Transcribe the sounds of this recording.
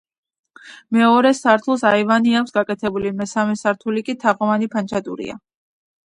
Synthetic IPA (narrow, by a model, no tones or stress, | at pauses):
mɛɔɾɛsaɾt̪ʰulˠsaivaniakʰsɡakʼɛt̪ʰɛbulimɛsamɛsaɾt̪ʰulikʼit̪ʰaʁʼɔvanipʰand͡ʒat̪ʼṵɾḭa̰